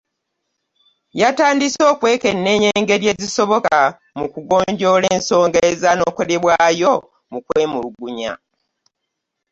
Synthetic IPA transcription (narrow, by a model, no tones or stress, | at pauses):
jataːndiso̞ːkwe̞ːke̞nːe̞ːɲeːŋɡe̞ɾje̞ziso̞βo̞ka | mukuɡo̞ːɲɟo̞leːnso̞ːŋɡezano̞ːko̞le̞βwaːjo̞ | mukwe̞ːmuluɡuɲa̰